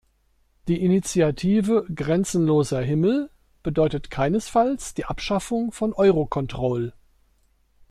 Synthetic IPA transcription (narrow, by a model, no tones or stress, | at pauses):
d̥iːʔinit͡sjatʰiːvəɡʁɛnt͡sn̩loːzɐɦɪml̩ | b̥ədɔʏtətkʰaɪnəsfalsd̥iːʔapʃafʊŋfɔnʔɔʏʁokʰɔntʁ̥ɔl